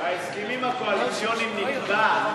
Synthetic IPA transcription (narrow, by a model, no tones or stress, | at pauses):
aeskimimakoalisjonimːinud̪a